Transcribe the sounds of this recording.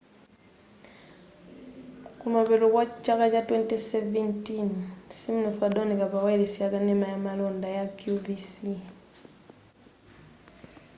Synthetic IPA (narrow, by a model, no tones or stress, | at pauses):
kumaβeɾokwat͡ʃakat͡ʃatwɛntesɛvɛntinsimnofadonikaβaweɾesjakanemajamalondajakjubisi